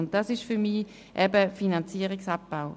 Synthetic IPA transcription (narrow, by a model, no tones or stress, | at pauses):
ʊnt̚dɑsɪʃfyʁmiː | ʔɛbəfinɑnt͡siəʁiksɑp̚b̥aʊ